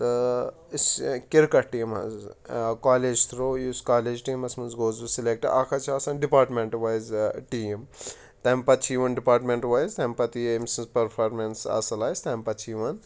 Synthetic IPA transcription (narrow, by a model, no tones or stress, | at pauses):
t̪ɨ | skiɾkɐʈiːmɐ̰zkaːleːd͡ʒt̪ʰɾoːjuːskaːleːd͡ʒʈiːmɐsmɐnzɡoːzusilek̚ʈɐʔakʰɐt͡ʃʰaːsɐnɖipaːɾʈmeɳʈʋajzʈiːm | t̪empɐtt͡ʃʰiːʋɐnɖipaːɾʈmeɳʈʋajzt̪ɐmpɐt̪iimsɐnzpɐɾpʰaːɾmensɐ̰sɐlaːjst̪ɐmpɐt͡ʃʰiːʋɐn